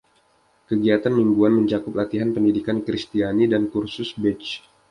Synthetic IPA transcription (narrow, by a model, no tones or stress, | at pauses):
kəɡiat̪anmiŋɡuanməɲt͡ʃakʊp̚lat̪iɦanpəndidikankɾist̪ianidankursʊsbɪt͡ʃ